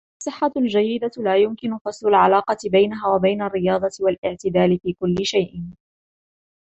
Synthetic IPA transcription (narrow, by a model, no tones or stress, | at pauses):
ʔɑsˤːɨħːald͡ʒajːɪd̪alaːjʊmkɪnʊfɑsˤlʊlʕalaːqɑt̪ɪbajnaɦaːwabajnarːɪjɑːd̪ˤɑt̪ɪwalʔɪʕt̪ɪd̪aːlɪfiːkʊlːɪʃajʔ